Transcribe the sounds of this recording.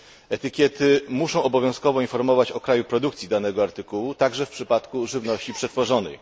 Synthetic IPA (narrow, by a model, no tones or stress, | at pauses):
ɛt̪ɘkʲjɛt̪ɘmuʂɔ̃w̃ɔbɔvʲjɔ̃w̃skɔvɔinfɔɾmɔvat͡ɕɔkɾajupɾɔd̪ukt̪sʲid̪anɛɡɔaɾt̪ɘkuwut̪aɡʐɛfpʂɘpat̪kuʐɘvnɔɕt͡ɕipʂɛt̪fɔʐɔnɛ̰j